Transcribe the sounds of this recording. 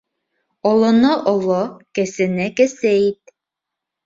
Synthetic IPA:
ŏlˠɤ̆nɤʔŏlˠokæ̆sɘ̆nɘkæsɘit̪̚

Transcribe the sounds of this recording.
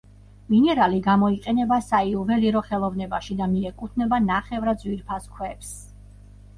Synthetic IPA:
minɛɾaliɡamɔiqʼɛnɛbasaiɔvɛliɾɔχɛlˠɔvnɛbaʃid̪amiɛkʼut̪ʰnɛbanaχɛvɾad̪zwiɾpʰaskʰwɛps

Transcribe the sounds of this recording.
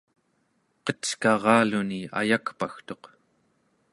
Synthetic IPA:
qʌt͡ʃkɑʁɑːlunia̰jakpaxt̪o̞q

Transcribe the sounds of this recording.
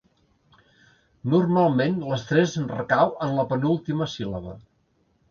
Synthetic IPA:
nurmalˠmenləst̪ɾɛznrəkawənləpənulˠt̪iməsilə̰βə̰

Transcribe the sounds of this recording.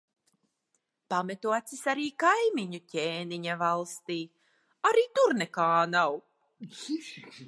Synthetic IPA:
pamɛt̪uɔt̪sisaɾiːkajmiɲucʲeːniɲavalˠst̪iː | aɾiːt̪uɾnɛkaːnaw

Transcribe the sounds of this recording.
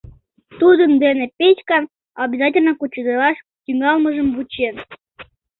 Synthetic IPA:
t̪ud̪ə̆nd̪enĕpʲet͡ɕkɑn | ɑbʲizɑtʲɪlʲnəkut͡ɕːud̪əlɑʃ | t̪ʲyŋɑlˠməʒə̆mβut͡ɕen

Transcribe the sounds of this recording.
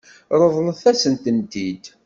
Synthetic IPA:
ɾˤəðˤləθæsənt̪ənt̪id̪

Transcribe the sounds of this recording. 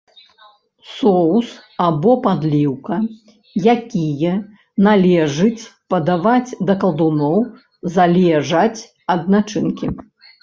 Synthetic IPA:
sɔwsabɔpad̪lʲiwkɐ | jakʲijɐ | nalʲɛʐɨt͡sʲpɐd̪avad͡zʲd̪ɐkɐlˠd̪unɔw | zalʲɛʐɐt͡sʲ | ɐd̪nat͡ʂɨnkʲi

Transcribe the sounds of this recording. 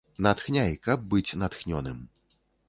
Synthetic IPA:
nɐt̪xnʲajkɐb̚ːɨt͡sʲnɐt̪xnʲɔnɨm

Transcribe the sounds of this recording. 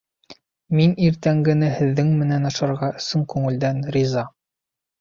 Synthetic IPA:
miniɾt̪æŋɡɘ̆nɘhɘ̆ðːɘŋmɘ̆nænɑʃɑɾʁɑɵ̆sɤŋkʉŋɘ̆ld̪ænɾʲizɑ

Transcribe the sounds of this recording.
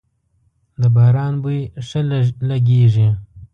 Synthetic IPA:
d̪əbɑːɾɑːnbuʂəllaɡeʐi

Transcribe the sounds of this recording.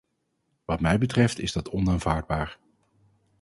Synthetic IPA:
ʋɑtmɛjbətrɛftɪzdɑtɔnaːnvaːɹd̚baːɹ

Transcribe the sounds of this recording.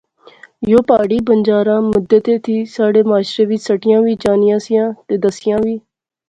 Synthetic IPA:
joːpaːɽiːbənd͡ʒaːɾãːmʊd̪ːət̪eːt̪ʰiːsaːɽeːmaːʃɾeːʋɪt͡ʃsəʈɪjãːʋiːd͡ʒaːnɪjãːsɪjãːt̪eːd̪əsɪjãːʋiː

